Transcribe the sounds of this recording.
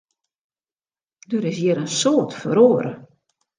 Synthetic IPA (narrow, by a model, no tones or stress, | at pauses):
døɾɪs̬jɪɾənsoːtfəɾoːɾə̰